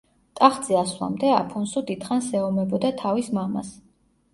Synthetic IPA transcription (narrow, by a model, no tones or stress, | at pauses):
t̪ʼaχd̪z̥ɛaswa̰md̪ɛa̰pʰɔnsud̪it̪χansɛɔmɛbɔd̪at̪ʰavismama̰s